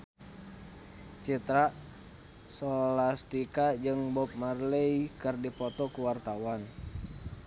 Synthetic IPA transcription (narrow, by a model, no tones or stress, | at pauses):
t͡ʃit̪ɾa | sɔlast̪ikad͡ʒɨŋbɔp̚marləikɨrdipɔt̪ɔkuwart̪awan